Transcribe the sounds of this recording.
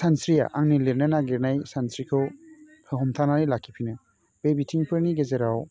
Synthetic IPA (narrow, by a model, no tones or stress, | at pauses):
sansɾija̰ʔaŋnileɾnɯnaɡeɾnajsansɾikʰɯ | ɦɔmtʰanaɾilakʰːipʰinɯ | b̥ebitʰiŋpʰɯɾniɡezeɾaw